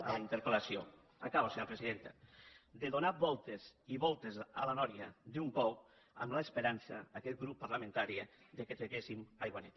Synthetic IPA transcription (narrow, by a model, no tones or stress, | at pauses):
alaint̪eɾpelasio | akaβoseɲopɾesiðent̪a̰d̪eðonabɔlˠt̪eziβɔlˠt̪ezalanɔɾjad̪umpɔw | a̰mlaespeɾansa̰akɛt̪̚ɡɾupːaɾlamẽnt̪aɾi | ðeket̪ɾeɣesimajɣwanɛt̪